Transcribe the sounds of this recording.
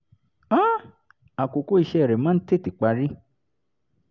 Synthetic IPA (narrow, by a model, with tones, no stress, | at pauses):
ã˦ | a˨ko˨ko˦i˦˧ʃɛ˧˦ɛ˨ɾɛ˨mã˦n̩˦te˦˨ti˨k͡pa˧ɾi˦